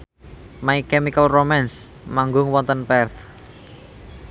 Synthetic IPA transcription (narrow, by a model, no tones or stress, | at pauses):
maikɛmikəlromans | maŋɡʊŋwɔnt̪ənpɛrθ